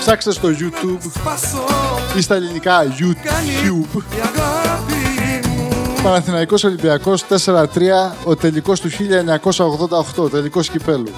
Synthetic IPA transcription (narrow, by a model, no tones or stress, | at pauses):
fsɐkse̥t̪est̪o̞ʝut̪ub | ist̪ɐelinikɐʝuub | pɐnɐθinɐiko̞solimbiɐko̞st̪e̞se̞ɾɐt̪ɾiɐo̞t̪e̞liko̞st̪uçiʎɐeɲɐko̞sɐo̞ɣðo̞nd̪ɐoxt̪o̞t̪e̞liko̞scipe̞lu